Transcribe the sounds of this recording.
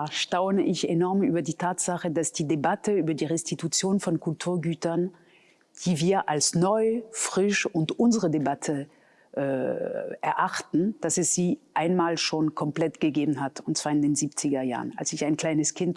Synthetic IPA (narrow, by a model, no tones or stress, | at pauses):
ʃtaʊnəʔɪçenɔɐmyːbɐdiːtʰaːtz̥aχədasd̥iːdebatʰəyːbɐdiːʁɛstitut͡sjoːnfɔnkʊltʰuːɐɡyːtɐn | d̥iːviːɐʔalsnɔʏfʁ̥ɪʃʊntʔʊnzəʁədebatʰə | ʔːʔɛɐʔaχtn̩d̥asɛsz̥iːʔaɪnmaːlʃoːnkʰɔmpl̥ɛtɡ̥əɡeːbn̩hatʊntt͡sv̥aːɐɪndeːnziːpt͡sɪɡɐja̰ːʁəna̰lsɪçaɪnkl̥aɪnəskʰɪnt